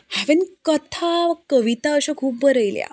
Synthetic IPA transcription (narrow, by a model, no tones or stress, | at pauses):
hæʋinkət̪ʰakəʋit̪aəɕakʰuːb̚bəɾəjlja̰